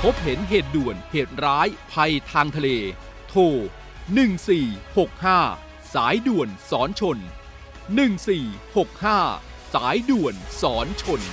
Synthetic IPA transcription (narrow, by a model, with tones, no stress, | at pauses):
pʰo˦˥p̚ɦe˩˦nɦeː˨˩t̪̚du˨˩ənheː˨˩t̪̚ɾaː˦˥jpʰa˧jt̪ʰaː˧ŋt̪ʰa˧leː˧ | t̪ʰoː˧ | nɯ˨˩ŋsiː˨˩ho˨˩k̚haː˥˩ | saː˩˦jdu˨˩ənsɔː˩˦nt͡ɕʰo˧n | nɯ˨˩ŋsiː˨˩ho˨˩k̚haː˥˩ | saː˩˦jdu˨˩ənsɔː˩˦nt͡ɕʰo˧n